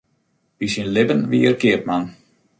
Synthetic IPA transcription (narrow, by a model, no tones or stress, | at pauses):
ʋisinlɪbənʋiərkɪəp̚man